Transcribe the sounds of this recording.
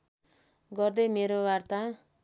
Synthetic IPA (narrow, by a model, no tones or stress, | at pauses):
ɡʌrd̪ʌjmeɾowart̪a